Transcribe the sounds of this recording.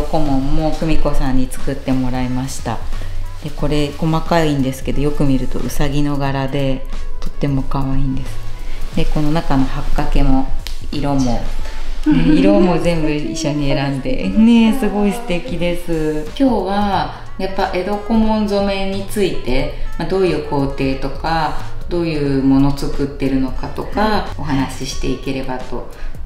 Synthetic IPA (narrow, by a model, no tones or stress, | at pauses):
oko̞mõ̞mːo̞kɯ̟mʲiko̞sãɲ̟ːit͡sɨ̥kɯt̪ːe̞mo̞ɾaemaɕi̥t̪ad̪̥e̞ko̞ɾe̞ko̞makaĩnd̪e̞sɨ̥ke̞d̪o̞jo̞kɯ̟mʲiɾɯ̟t̪o̞̰ʔɯ̟saɡʲino̞ɡaɾad̪e̞t̪o̞̥t̪ːe̞mo̞kaβaĩːnd̪e̞sɨ̥d̪e̞ko̞no̞nakano̞hakːake̞mo̞iɾo̞mo̞ | eiɾo̞mo̞zẽ̞mbɯ̟iɕːo̞ɲ̟ieɾãnd̪e̞̰ne̞sɨɡo̞isɨ̥t̪e̞kʲid̪e̞sɨkʲo̞ːβa | japːaʔe̞ɾo̞ko̞mõ̞nzo̞me̞ɲ̟it͡sɨit̪e̞mad̪o̞ːjɯ̟ːkʰo̞ːt̪e̞ːt̪o̞kad̪o̞ːjɯ̟ːmo̞no̞t͡sɨkɯt̪ːe̞ɾɯ̟no̞kat̪o̞kaoɦanaɕiɕi̥t̪e̞ike̞ɾe̞bat̪o̞